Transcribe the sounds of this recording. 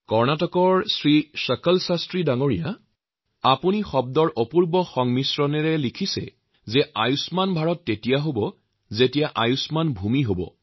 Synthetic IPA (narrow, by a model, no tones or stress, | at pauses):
kɔɹnatɔkɔɹsɹisəkɔlsastɹidaŋoɹija | apunixɔb̚dɔɹʔopuɹbɔxɔŋmisɹɔnɛɹɛlikʰisɛ̰ | zɛajusmanbʱaɹɔtːetijaɦobɔ | zetijaʔajusmanbʱumiɦobɔ̰